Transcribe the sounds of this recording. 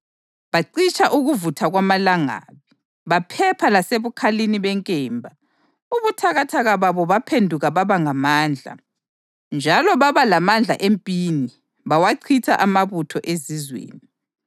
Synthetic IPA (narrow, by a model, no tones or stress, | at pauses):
βaǀit͡ʃʼaʔuɣuvutʰaɣwamalaŋa̰ːβi | βapʰɛpʰalaseβukʰaliniβɛŋkʼɛːmbʱa | uβutʰaɣatʰaɣaβaβɔβapʰendʱuɣaβaβaŋamaːnd͡ɮʱa̰ | nd͡ʒʱalɔβaβalamand͡ɮʱa̰ʔempʼiːni | βawaǀʰitʰa̰ʔamaβutʰɔʔezizwḛːni